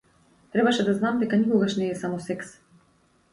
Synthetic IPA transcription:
t̪ɾɛbaʃɛd̪aznamd̪ɛkanikɔɡaʃnɛːsamɔsɛks

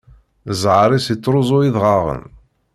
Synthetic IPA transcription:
zʕɾisit͡sˤːɾˤʊzˤʊiðʁɑʁə̰n

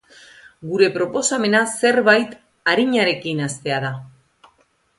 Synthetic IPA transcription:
ɡuɾe̞pɾo̞po̞same̞nase̞ɾβajt̪ | aɾiɲaɾe̞kinast̪e̞að̞a

